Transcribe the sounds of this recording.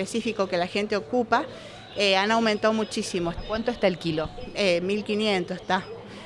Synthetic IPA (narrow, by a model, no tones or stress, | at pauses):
esifikokelaxent̪eokupa | eanawmẽnt̪aomut͡ʃisimokwant̪oest̪aelkiloemilkinjẽnt̪ost̪a